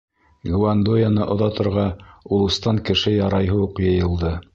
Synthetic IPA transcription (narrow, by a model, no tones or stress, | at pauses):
ɡwand̪ojanɤʔŏðɑt̪ŏɾʁɑulˠɤ̆st̪ɑŋkɘ̆ʃɘjɑɾɑjɦɤuqjɤ̆jɤ̆lˠd̪ɤ